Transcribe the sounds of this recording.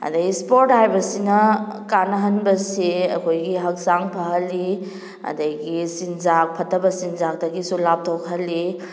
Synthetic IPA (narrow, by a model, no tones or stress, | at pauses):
ɐ̰dɐispoɾthajbɐsinɐkanɐɦɐnbɐsiɐkʰojɡiɦɐk̚saŋpʰɐɦɐlːi | ɐ̰dɐjɡisinzak̚pʰɐtʰːɐbɐsinzak̚dɐɡisulap̚tʰokʰhɐlːi